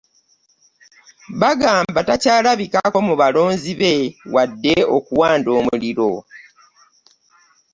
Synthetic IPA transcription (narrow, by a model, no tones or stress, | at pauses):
βaɡaːmbatacaːlaβikako̞muβalo̞ːnziβe̞wʔadːe̞okuwaːndo̞ːmuliɾo̞